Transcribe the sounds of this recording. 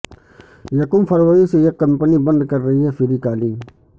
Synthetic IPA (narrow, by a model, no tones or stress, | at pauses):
jəkũːmpʰəɾʋəiseekːəmpənibə̃nd̪kəɾːɐɦiɦɛːfʰɪɾiːkaːliː